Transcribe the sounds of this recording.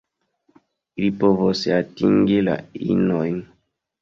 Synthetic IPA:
ilipovosatiŋɡila̰ḭnojn

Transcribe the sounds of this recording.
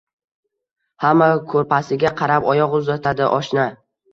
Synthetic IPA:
hamːakʰɵɾpʰasɪɡʲaqʰɑɾapɒjɒqʊzat̪ʰad̪ɪʔɒʃna

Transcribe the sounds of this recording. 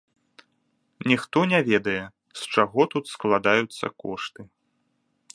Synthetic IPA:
nʲixt̪ɔnʲavʲɛd̪ɐjɛ | st͡ʂaɣɔt̪ut̪sklˠad̪ajut̪sːɐ̰kɔʂt̪ɨ

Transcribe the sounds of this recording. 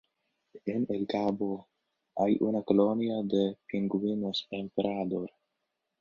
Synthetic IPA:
inilkabo | ajʔunakoloniad̪epiŋɡuwinospempɾad̪oɾ

